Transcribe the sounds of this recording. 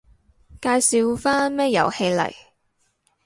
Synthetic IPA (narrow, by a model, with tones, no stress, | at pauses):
kaː˧jsi˧wfaː˥nmɛː˥jɐ̰˨˩whe˧jlɐ̰˨˩j